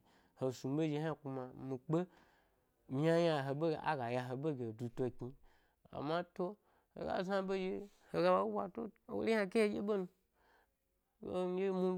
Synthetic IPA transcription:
ho˨su˨m˦be˦ʒe˧ha˦˨ku˧ma˨mĩ˨k͡pe˦ | a˦ja˧˨ɦo˨be˦˨a̰˦ɡa˨ja˧ɦo˨be˦ɡʲe˨du˨to˧ki˧ | a̰˨mã˦to˦ | ho̰˨ɡa̰˦za˦be˦d͡ʒe˧ | ho˨ɡa˦ba˦wʷa˨to̰˦˨wo̰˦i˦ã˦˧ke˦he˦d͡ʒḛ˦be˦nu˧ | o˦je˦mu˦

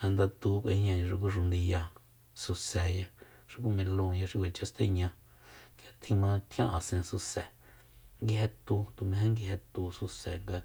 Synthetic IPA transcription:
hã˧nd̪a˧t̪u˧kʷʔe˧ɲã˧jã˧ʂi˧k̬u˦ʂ̬u˧nd̪i˧ja˧ | su˧se˨ja˧ | ʂi˧kʷu˦mẽ˧lõ˧˨ja˧ʂi˦˧kʷe˨t͡ʃa˧˦st̪e˦˧˦ɲã˧ | ɡa˧t̪ʰĩ˧mã˧t̪ʰjã˦ʔa˨sẽ˧su˧se˨ | ŋɡi˧he˧t̪u˧t̪u˨mẽ˧ɦẽ˦ŋɡi˧he˧t̪u˧su˧se˨ŋɡa˧

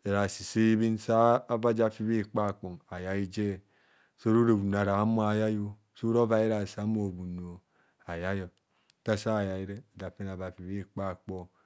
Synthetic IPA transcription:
e˨ɾa˨si˨se˦i˦βi˦nsaː˦ba˦d͡ʒa˨fi˦βi˦˨k͡pa˦˨k͡po˨ŋa˨ja˨i˦d͡ʒe˦˨ | so˦ɾu˦ɾe˨bu˨n˨a˨ɾa˨˦mo˦a˨ja˦jo˦ | so˦ɾo˦va˨˦je˦ɾa˨sa˨˦m˦o˨bu˨no˨ | a˨ja˦jo˨ | ta˦sa˦˨ja˨i˦ɾe˦a˨d͡ʒa˨fi˦n˨a˨va˨fi˨βi˦˨k͡pa˦˨k͡po˦

